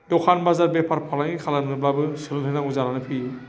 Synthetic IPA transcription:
dɔkʰanbazaɾbepʰaɾpʰalaŋikʰalannɯblabɯsɯlɯlɦɯnaŋuzalanɯpʰi

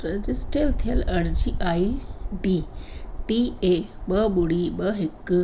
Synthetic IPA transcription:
ɾəd͡ʑisʈelt̪ʰiəlɐɾd͡ʑiʔaiɖiʈieɓəɓuɽiɓəɦekː

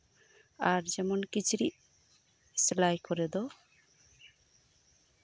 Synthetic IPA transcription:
aɾd͡ʒɛmonkit͡ɕʰuɾiʔ | slajkɔɾed̪ɔ

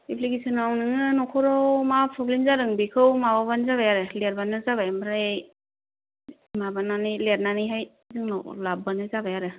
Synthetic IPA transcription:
ipʰlikesɯnawnɯŋɯnɔkʰɔɾɔwmapʰɔblinzaɾɯŋbekʰɯwmawabanzaβajaɾeleɾbanːɯzaβajmaɾa | mabanːanileɾ̚naniɦaj | zɯŋnɔ̰wlabːanɯzabajaɾe

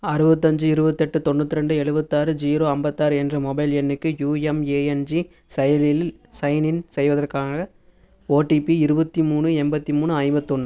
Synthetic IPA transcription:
ɐɾɯbɐt̪ːɐɲd͡ʒɯɪɾɯbɐt̪ːɛʈːɯt̪ɔɳːɐt̪ːɪɾɛɳɖɯɛɻɯbɐt̪ːaːɾɯd͡ʒiːɾoːɐmbɐt̪ːaːɾɯɛndrɐmɔbɐɪlɛnːɯkːɯjuːɛmeːɛnd͡ʒi | sɐjɐlɪlsɐɪnɪnsɛjʋɐðɐrkaːɣɐ | oːʈːipiɪɾɯbɐt̪ːimuːɳɯɛmbɐt̪ːimuːnɯɐjmbɐt̪ːɔɳːɯ

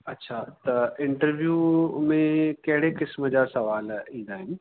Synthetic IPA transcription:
ɐtːɕʰat̪ɐɪ̃ɳʈəɾʋjuːmẽkɐɦɪɽekɪsməd͡ʑaːsɐʋaːlĩnd̪aːɦɪnɪ̆

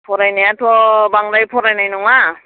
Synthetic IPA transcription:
pʰoɾajnajat̪ʰobaŋɾajpʰoɾajnajnuŋa

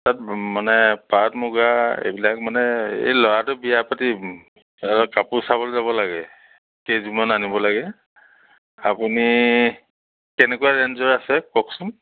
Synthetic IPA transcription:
tatmanɛpatmuɡaḛbilak̚manɛḛjlɔɹatʊbijapati | aɔkapʊsabɔlzabɔlaɡɛ | kezumɔnanibɔlaɡɛ | a̰puni | kɛnɛkuwaɹɛnzɔɹasɛkɔksʊm

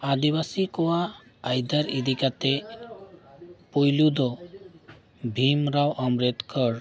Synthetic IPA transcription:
ad̪iβasikoaː | jd̪aɾid̪ikat̪e | pojlud̪ɔ | bʱimɾawʔɔmɾet̪kɔɾ

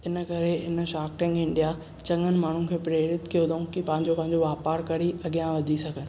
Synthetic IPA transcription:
ɪnə̆kɐɾeɪn̆ʃaːkʈɪ̃ŋɡɪ̃ɳɖija | t͡ɕɐ̃ŋɡənɪ̆maːɳ̤ũkʰeːpɾeːɾɪt̪kʰeʊd̪ʱoũkipɐ̃ɦɪ̃ɲd͡ʑopɐ̃ɦɪɲd͡ʑoʋaːpaːɾkɐɾiɐɠijãʋɐd̪ʱisɐɡʱənɪ̆

